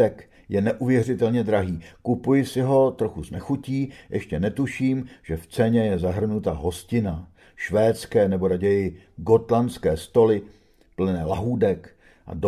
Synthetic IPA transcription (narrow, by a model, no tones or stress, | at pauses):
ɛk | jɛnɛʔuvjɛrɪt̪ɛlɲɛd̪ɾaɦiːkupujɪsɪɦo̞t̪ɾo̞xuznɛxuciːjʔɛ̰ʃcɛnɛt̪uʃiːmʒ̥ɛft͡sɛɲɛjɛzaɦr̩nut̪aɦo̞scɪna | ʃvɛːt͡skɛːnɛbo̞ɾaɟɛjɪ | ɡo̞t̪lanskɛːst̪o̞lɪ | pl̩nɛːla̰ɦuːdɛk | ʔa̰d